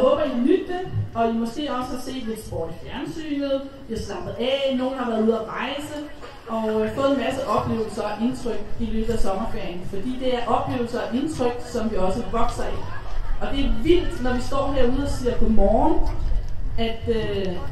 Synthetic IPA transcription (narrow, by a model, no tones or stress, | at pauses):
hɔ̽ːb̥ɐid̥nyd̥̚d̥əɒ̽jimɒ̽sɡ̥e̝̰ːɒ̽səse̝̰ːʋe̝sb̥ɒ̰̥ːifjæɐnsy̰ːnð̩ˠ | ʋ̥ihɑ̈snɑ̈b̥ð̩ˠɛno̝ːn̩hɑ̈ʋæːɐð̩ˠuðˠɒʁɑ̈ɪsə | ʔɒ̽fɔ̽ːð̩ˠenmæsəʔɒ̽b̥le̝̰ːʊl̩sɐɒʔe̝nt͡sʰʁœɡ̥iɡ̥ed̥ɐsɒ̽mɐfæɐŋfɒ̽d̥ḭːd̥e̝æɐʔɒ̽b̥le̝̰ːʊl̩sɐɒʔe̝nt͡sʰʁœɡ̥sɒ̽mʋiɒ̽səʋɒ̽ɡ̥sɐiɒ̽d̥e̝æɐʋil̰d̥nɒʋisd̥ɒ̰ːheɐuð̞̩ˠɒ̽siːɐpʰɒ̽mɒːn | æd̥ø